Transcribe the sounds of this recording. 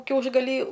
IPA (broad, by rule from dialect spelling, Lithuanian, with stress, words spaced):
ˈkʲɛʊʒɡɐlʲiː